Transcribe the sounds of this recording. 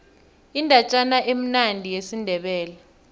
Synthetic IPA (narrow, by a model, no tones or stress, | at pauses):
indʱat͡ʃʼanaʔem̩nandʱijesindʱɛɓɛːla